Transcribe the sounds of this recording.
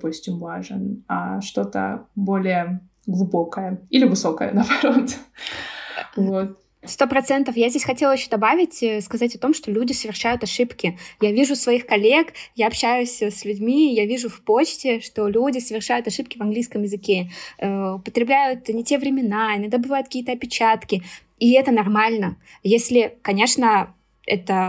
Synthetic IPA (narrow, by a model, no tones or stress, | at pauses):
pusʲtʲɪmvaʐɨna̰ʂt̪o̞t̪ə̰bo̞lʲɪjə | ɡlˠʊbo̞kəjəilʲɪvɨso̞kəjə̰nɐːbɐɾot̪ | vo̞t̪̚ | st̪o̞pɾɐt̪sɛnt̪əfjazʲdʲesʲxɐtʲelˠəjɪɕːod̪ɐbavʲɪtʲəskɐzatʲɐt̪o̞mʂt̪olʲudʲɪsəvʲɪrʂajʊt̪ɐʂɨpkʲɪjavʲiʐʊsvɐixkɐlʲe̞kjaɐpɕæjʊsʲslʲʉdʲmʲijavʲiʐʊfpot͡ɕtʲɪʂt̪o̞lʲudʲɪsəvʲɪrʂajʊt̪ɐʂɨp̚kʲɪvɐnɡlʲijskəmjɪzɨkʲeəʊpət̪ɾʲɪblʲæjʊt̪nʲɪtʲe̞vɾʲɪmʲɪnaɪnɐd̪abɨvajʊt̪̚kkiːət̪əɐpʲɪt͡ɕat̪kʲɪ | iɛt̪ənɐrmalʲnə | jesʲlʲɪkɐnʲe̞ʂnə | ɛ̰t̪ə